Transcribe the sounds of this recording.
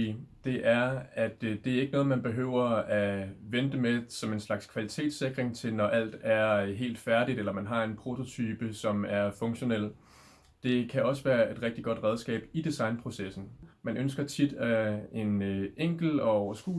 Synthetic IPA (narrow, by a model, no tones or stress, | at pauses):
d̥e̝ʔæɐæd̥d̥e̝æɐe̝ɡ̥ənɔ̽ːð̞̩ˠmænb̥e̝ɦø̰ʊ̰ɐæʋend̥əmesɒ̽me̝nslɑ̈ɡ̥skʰʋælit͡sʰe̝̰ːd̥se̝ɡ̥ʁeŋt͡sʰe̝lnɒ̽ʔæl̰d̥æɐɦe̝̰ːld̥fæɐɾ̥id̥elɐmænɦɑ̈e̝npʰʁo̝t͡sʰo̝t͡sʰyːb̥əsɒ̽mæɐfɔ̽ŋɕo̝nel̰ | d̥e̝kʰæɒ̽səʋæːɐe̝d̥ʁɛɡ̥̚d̥iɡ̥ɒ̽d̥ʁɛð̞ˠsɡ̥ɛ̰ːb̥id̥isɑ̈ɪnpʰʁo̝sesn̩mænʔønsɡ̥ɐt͡sʰid̥æe̝nʔeŋ̰ɡ̥l̩ɒ̽ɒʊ̰ɐsɡ̥ṵ